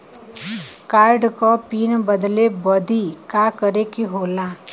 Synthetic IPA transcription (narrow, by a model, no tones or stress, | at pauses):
kaːɾɖkopiːnbəd̪lebɔd̪ʱikakəɾekiɦoːla